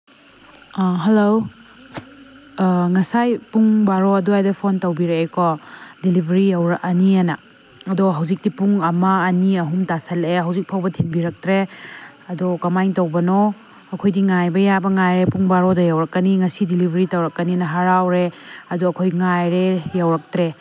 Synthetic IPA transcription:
ɦɐlow | ŋɐsajpuŋbaɾoɐduajdɐpʰontɐwbiɾeekɔdilibʱɐɾijɐwɾɐʔɐnianɐː | doɦɐwzik̚dipuŋɐmɐːniɐɦumtasɐleɦɐwzik̚pʰawbɐtʰinbiɾɐk̚tɾe | ɐdokɐmajŋtɐwbɐno | ɐkʰojdiŋajbɐjabɐŋajɾepuŋbaɾodɐjawɾɐkːɐniŋɐsidilibʱɐɾitɐwɾɐkːɐninɐɦaɾawɾeɐduɐkʰojŋajɾejawɾɐk̚tɾe

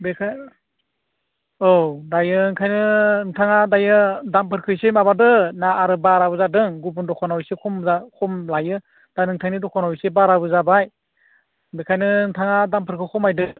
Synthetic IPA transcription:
bekʰa | owdajɯŋkʰajnɯŋtʰaŋadajɯdampʰɯɾkʰɯjsemaβadɯnaːɾɯbaɾabɯzadɯŋɡup̬undɔkʰɔnawsekʰɔmzakʰɔmlajɯ | d̥ajnɯŋtʰajnidɔkʰɔnawjsebaɾabɯzabaj | bekʰajnɯŋtʰaŋadampʰɯɾkʰɯkʰɔmajdɯ

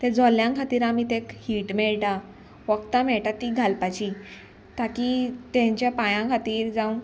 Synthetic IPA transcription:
t̪ɛd͡zɔljãkʰat̪iːɾamit̪ekhiːʈmɛɭʈa | ʋəkt̪amɛɭʈat̪iːɡʱalpat͡ɕi | t̪akit̪ɛ̃ɲt͡ɕjapajãkʰat̪iːɾd͡zau

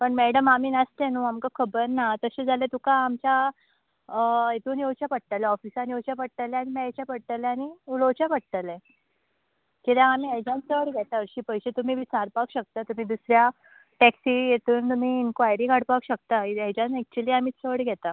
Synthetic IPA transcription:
pəɳmɛɽəmamiːnast̪ẽnũamkakʰəbəɾnat̪əɕed͡zʱalet̪ukãːmt͡ɕa | əjet̪uːnjewt͡ɕapəɽt̪alɛɔfisanjewt͡ɕjapəɽ̚ʈ̪aleañimajt͡ɕjapəɽ̚t̪alɛaɽ̃iulot͡ɕjapəɽ̚t̪əlẽ | kiljãamiːɛd͡ʑãnt͡səɽɡʱɛt̪aəɾɕiːpəjɕet̪um̤iːʋit͡saɾpakɕək̚t̪at̪um̤iːd̪usɾja | ʈɛksiːjet̪uːnt̪um̤iːnkʋajɾiːkaɽpakɕək̚t̪aeɛd͡ʑãnsɛk̚t͡ɕuliːamiːt͡səɽɡʱɛt̪a

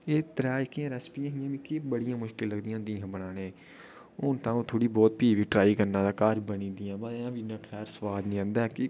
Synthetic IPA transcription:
eːt̪əɾaːɪkiãːɾɛspiːãːɦɪjãːʋiːkɪbəɽɪjãːmʊʃkɪlːəɡd̪ĩːãːd̪iːãːbəɽaːnẽː | ʊnt̪ãːoːt̪ʰoːɽiːbɔːt̪̚piːʋiːʈɾaːiːkəɾnãːd̪aːkaːɾbənĩːd̪ɪjãːbaːãːʋinãːkʰɛːɾsʋaːd̪nĩːãːnd̪aːkɪ

